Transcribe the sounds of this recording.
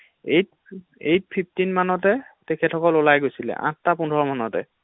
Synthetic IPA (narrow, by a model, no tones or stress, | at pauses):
ejt̚ | ejt̚pʰip̚tinmanɔt̬ɛtɛkʰɛtʰɔkɔlolajɡojsilɛ̰ʔã̰ttapundʱɔɹɔmanɔtɛ̰